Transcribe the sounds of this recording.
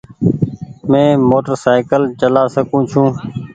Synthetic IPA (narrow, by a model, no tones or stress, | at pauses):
mẽːmoːʈəɾsaːɪkəlt͡ʃəlaːsəkũːt͡ʃʰũː